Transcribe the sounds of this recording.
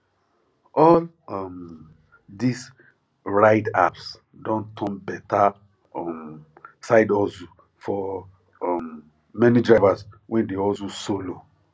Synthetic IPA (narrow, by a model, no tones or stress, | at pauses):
ʔɔl | ɔm | dis | ɹaɪda̰ps | dõntʰɔ̃nbɛta | msaɪdɔzu | fɔ | ɔm | mɛnidɹajvaswɛ̃ndeɔzusolo